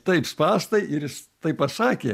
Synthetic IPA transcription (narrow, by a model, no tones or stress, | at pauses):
t̪ɐɪpspɑːst̪ɐɪɪɾjɪst̪ɐɪppɐsɑːkʲeː